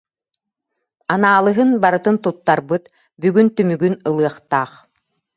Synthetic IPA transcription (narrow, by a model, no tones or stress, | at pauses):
anaːlˠɯɦɯnbaɾɯt̪ɯnt̪ut̪ːaɾbɯt̪ | byɡynt̪ymyɡynɯlˠɯɐχt̪aːχ